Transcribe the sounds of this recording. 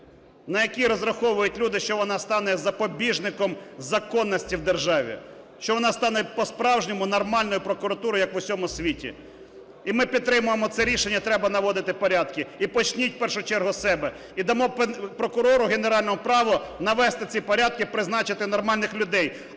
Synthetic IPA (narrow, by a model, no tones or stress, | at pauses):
nɐjɐkʲiɾɔzrɐxɔʋʊjʊtʲlʲud̪ɪʃt͡ʃɔʋɔnɑst̪ɑnɛzɐpɔbʲiʒnɪkɔmzɐkɔnːɐsʲtʲiwd̪erʒɑʋʲḭ | ʃt͡ʃɔʋɔnɑst̪ɑnɛpɔspɾɑwʒnʲɪmʊnɔrmɑlʲnɔjʊpɾɔkʊɾɐt̪uɾɔjɐkʋʊsʲɔmʊsʲʋʲitʲḭ | imɪpʲid̪̚t̪ːɾɪmʊjemɔt̪sɛɾʲiʃenʲːɐt̪ɾɛbɐnɐʋɔd̪ɪt̪ɪpɔɾʲad̪kɪipɔt͡ʃnʲit̚ʲpɛrʃʊt͡ʃɛrɦʊsɛbɛ | id̪ɐmɔppɾɔkʊɾɔɾʊɦeneɾɑlʲnɔɦʊpɾɑʋɔnɐʋɛst̪ɪt͡sʲipɔɾʲad̪̚kɪpɾɪznɑt͡ʃɪt̪ɪnɔrmɑlʲnɪxlʲʊd̪ɛj